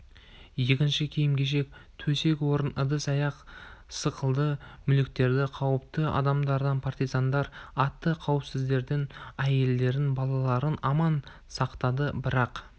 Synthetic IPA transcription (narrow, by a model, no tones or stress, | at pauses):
je̞kʲɪnʃɪkʲʰe̞jɪmɡʲe̞ʃ̬e̞k̚t̪ʰɵse̞kʲwo̞ɾənəd̪əsɑjɑqsəqəlˠd̪əmʏlɪk̚t̪e̞ɾd̪ɪqʰɑwəp̚t̪əɑ̰d̪ɑmd̪ɑɾd̪ɑnpʰart̪ijzɑnd̪ɑɾɑt̪ːəqʰɑwəpsɪzd̪e̞ɾd̪ɪnæje̞ld̪e̞ɾɪnbɑlˠɑlˠɑɾənɑmɑn | sɑqt̪ɑd̪əbɪɾɑq